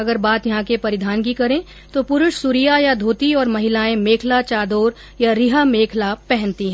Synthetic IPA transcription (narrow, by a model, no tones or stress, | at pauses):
ɐɡəɾbaːt̪jɐɦãkepɐɾɪd̪ʱaːnkikɐɾẽ | t̪opʊɾʊʃsʊɾijajad̪ʱuːt̪iɔːɾmɐɦɪlaːẽmeːkʰlat͡ʃaːd̪oːɾ | jaɾɪɦameːkʰlapɛɦɛ̃nt̪iɦɛ̃